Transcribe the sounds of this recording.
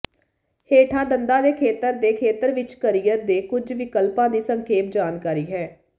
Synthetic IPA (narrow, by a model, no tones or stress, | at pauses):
heːʈʰãːd̪ənd̪ãːd̪eːkʰeːt̪əɾd̪eːkʰeːt̪əɾʋɪt͡ʃkəɾiːjəɾd̪eːkʊd͡ʒʋɪkəlpãːd̪iːsəŋkʰeːp̚d͡ʒaːnkaːɾiːɦɛː